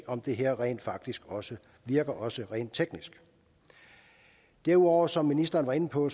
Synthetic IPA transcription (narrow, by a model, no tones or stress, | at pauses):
ɒ̽md̥e̝ɦæɐ̰ʁɛ̰ːnd̥fɑ̈ɡ̥̚d̥isɡ̥ɒ̽sə | ʋiɐɡ̥ɐʔɒ̽səʁɛ̰ːnd̥̚t͡sʰeɡ̥nisɡ̥ | d̥æɐuɒʊ̰ɐsɒ̽mːinisd̥ɐːn̩ʋɑ̈e̝n̩pʰɒ̽